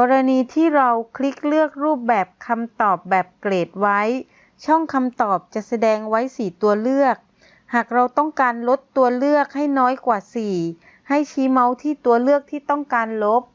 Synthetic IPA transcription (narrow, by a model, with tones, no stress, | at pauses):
kɔː˧ɾa˧niː˧t̪ʰiː˥˩ɾa˧wkʰɾi˦˥k̚lɯ˥˩ək̚ɾuː˥˩p̚bɛː˨˩p̚kʰa˧mt̪ɔː˨˩p̚bɛː˨˩p̚kleː˨˩t̪̚wa˦˥j | t͡ɕʰɔ˥˩ŋkʰa˧mt̪ɔː˨˩p̚t͡ɕa˨˩ʔsa˧dɛː˧ŋwa˦˥jsiː˨˩t̪u˧ɐlɯ˥˩ək̚ | haː˨˩k̚ɾa˧wt̪ɔ˥˩ŋkaː˧nlo˦˥t̪ːu˧ɐlɯ˥˩ək̚ha˥˩jnɔː˦˥jkwaː˨˩siː˨˩ | ha˥˩jt͡ɕʰiː˦˥ma˦˥wt̪ʰiː˥˩t̪u˧ɐlɯ˥˩ək̚t̪ʰiː˥˩t̪ɔ˥˩ŋkaː˧nlo˦˥p̚